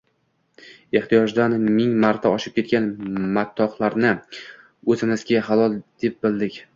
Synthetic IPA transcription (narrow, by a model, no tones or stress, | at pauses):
e̞ht̪ijɒʒd̪anmɪŋmaɾt̪ʰaɒʃɪp̚kʲe̞t̪̚kʲanmat̪ʰːɒχlˠaɾnɪ | ɵzɪnɪzɡʲaɦalˠɒlˠd̪̥ep̚bɪld̪ɪkʲ